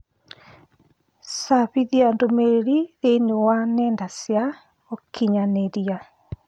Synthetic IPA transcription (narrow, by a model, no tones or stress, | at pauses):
saβiðiandomeɾeɾiðenewanɛndasja | okʰiɲaneɾia